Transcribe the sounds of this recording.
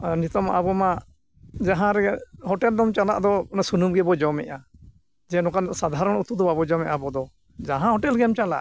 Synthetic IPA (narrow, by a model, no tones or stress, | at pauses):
nit̪ɔmaʔabɔma | d͡ʒaɦãɾɛhɔʈɛld̪ɔmt͡ʃala̰ʔd̪ɔnasunumɡɛbɔd͡ʒɔmɛ̰ʔa | d͡ʒɛnɔ̃kansad̪ʱaɾɔɳut̪ud̪ɔbabɔd͡ʒɔmɛʔabɔd̪ɔ | d͡ʒaɦãhɔʈɛlɡɛmt͡ʃala̰ʔ